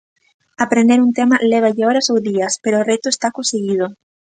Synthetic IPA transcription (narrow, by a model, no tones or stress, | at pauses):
apɾẽnd̪eɾunt̪emaleβ̞aʎeoɾasowðiaspeɾoːret̪oest̪akõnseɣið̞o